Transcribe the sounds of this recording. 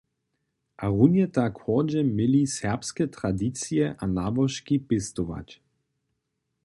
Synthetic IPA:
ʔaʁunjɛt̪akhɔd͡ʑɛmɪlisɛʁpskɛt̪ɾad̪it͡sjɛʔanabɔʃkipɪst̪oʋa̰t͡ɕ

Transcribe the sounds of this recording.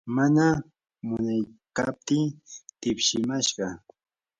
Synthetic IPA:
mana | mʊnajkap̚t̪ɪt̪ɪpʃɪmaʃɢɑ

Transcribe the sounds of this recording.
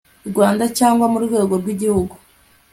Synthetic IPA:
iɾɡwaːndacaːŋɡwamuɾɡwe̞ːɡoɾɡwiɟihuɡu

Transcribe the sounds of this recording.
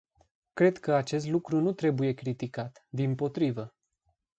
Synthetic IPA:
kɾe̞d̪kəat͡ʃe̞s̬t̪lukɾunut̪ɾe̞buje̞kɾit̪ikat̪d̪impo̞t̪ɾivə

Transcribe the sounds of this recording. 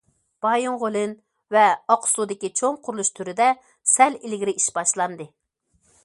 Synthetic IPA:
b̥ɑjuŋʁolˠɨn | vɛɑqʰʊ̥sud̪ɪkʲit͡ʃʰoŋqʰʊɾlˠuʃt̪ʰyɾɪd̪ɛ | sɛlilɡʲiɾɪʔiʃbɑʃlˠɑnd̪ɨ

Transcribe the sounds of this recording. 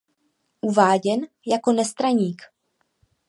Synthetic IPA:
ʔuvaːɟɛn | jako̞nɛst̪ɾaɲiːk

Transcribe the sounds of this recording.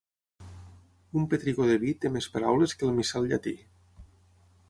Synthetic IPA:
umpet̪ɾiɣoðeβit̪emespaɾawleskəlˠmisalʎat̪i

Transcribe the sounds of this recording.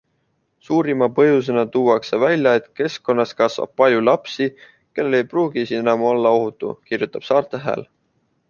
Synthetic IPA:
suːɾimɑpɤjus̬e̞nɑt̪uːɑkse̞vælʲjɑe̞t̪ke̞sko̞nːɑskɑsvɑ̰b̥̚pɑlʲjulɑpsi | ke̞lːelejpruːɡisienɑmuo̞lːɑo̞ɦut̪ːˑṵkirjut̪ːˑɑb̥sɑːrt̪ˑe̞ɦæ̰ːl

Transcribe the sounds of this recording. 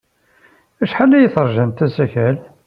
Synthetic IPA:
æʃħalːæjəθɾˤʒænt̪æsæçæl

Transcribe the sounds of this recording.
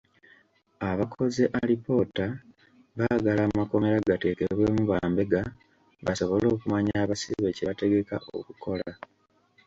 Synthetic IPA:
aβakʰo̞zeʔalipo̞ta | βaɡalammako̞me̞ɾaɡate̞ke̞βwe̞ːmuβaːmbe̞ɡa | βaso̞βo̞lo̞ːkumaɲaːβasiβe̞ceβate̞ɡe̞ka̰ʔo̞̰kukʰo̞la

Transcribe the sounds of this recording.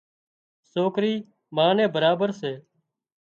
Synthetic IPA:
soːkɾiː | maːnẽːbəɾaːbəɾseː

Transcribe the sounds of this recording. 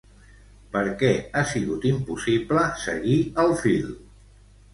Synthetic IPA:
pəɾkɛasiɣut̪impusibləsə̰ɣiəlˠfil

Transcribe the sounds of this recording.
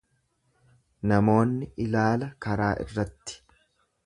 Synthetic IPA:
nɐmo̞ːnːɪʔɪlaːlɐkɐɾaːʔɪ̰rːɐt̪ːɪ̥

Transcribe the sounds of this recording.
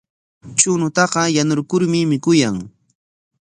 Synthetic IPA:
t͡ʃʊnʊt̪ɑqɑjanʊɾkʊɾmɪmɪkʊjaŋ

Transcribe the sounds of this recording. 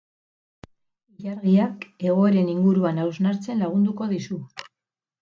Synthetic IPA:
iʎaɾɣiake̞ɣ̞o̞e̞ɾe̞niŋɡuɾuanawznaɾt͡se̞nlaɣ̞und̪uko̞ðisu

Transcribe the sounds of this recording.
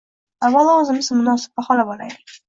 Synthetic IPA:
avalˠaozɪmɪzmʊnɒsɪ̥b̚baχɒlabɒla̰j̪ɪ

